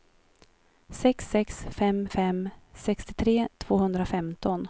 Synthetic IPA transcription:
sɛksɛksfɛmfɛmsɛkst̪ɪt̪ʰɾeːt̪ʰv̥oːhɵnd̪ɾafɛmt̪ɔn

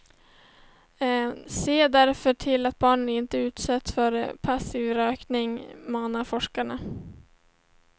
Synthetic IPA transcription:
seːd̪æɾfœʈʰɪlat̪̚bɑːɳənɪnt̪əʉ̟ːt̪sɛt̪sfœɾ̰pʰasivɾøːknɪŋmɑːnaɾfɔʂkaɳa

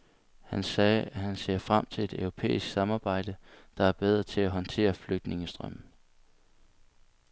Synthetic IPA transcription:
hænsɛːæhænse̝̰ːɐfʁam̰t͡sʰe̝le̝d̥œʊʁo̝pʰḛːisɡ̥sɑ̈mɑ̈ːb̥ɑ̈ɪ̰d̥əd̥ɑ̈æɐb̥eð̞ˠʁɐt͡sʰe̝læɦɒ̽nt͡sʰe̝̰ːɐfløɡ̥̚d̥ne̝ŋəsd̥ʁœm̩

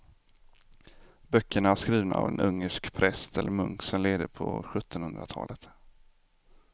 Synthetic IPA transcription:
bœkʰːəɳaaʂkɾiːvnaavɛnʔɵŋːəʂkpʰɾɛst̪ʰɛlːəɾmɵŋksɔmleːd̪əpʰɔɧɵt̪ːɔnhɵnd̪ɾat̪ʰɑ̰ːlət̪

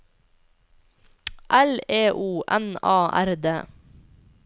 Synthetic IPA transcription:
ʔæleːʔuːʔɛnɑːʔæɾd̪eː

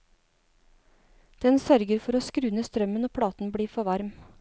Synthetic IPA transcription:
d̪̥ɛnsœɾɡəɾfɔɾoːskɾʉːnəst̪ɾœmənoːpʰɽɑːt̪n̩bɽiːfɔʋɑɾm

